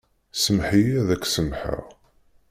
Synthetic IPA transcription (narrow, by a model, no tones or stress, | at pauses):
səmħijæðækːsəmħə̰ʁ